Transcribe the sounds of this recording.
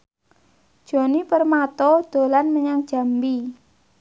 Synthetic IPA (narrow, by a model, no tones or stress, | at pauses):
d̥ʒ̥o̤nipərmat̪ɔd̪̥o̤lanməɲaŋd̥ʒ̥a̤mbi